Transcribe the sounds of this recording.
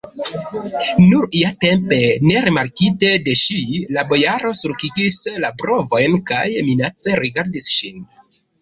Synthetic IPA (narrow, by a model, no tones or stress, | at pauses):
nuɾijate̞mpe̞ne̞ɾimaɾkite̞de̞ʃilabo̞jaɾo̞suɾkiɡislabɾo̞vo̞jnkajminat͡se̞ɾiɡaɾdisʃin